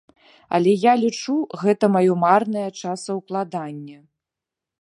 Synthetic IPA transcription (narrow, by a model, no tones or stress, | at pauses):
ɐ̰lʲɛjalʲit͡ʂuɣɛt̪ɐmajɔmarnɐjɐt͡ʂasɐwplˠad̪anʲːɐ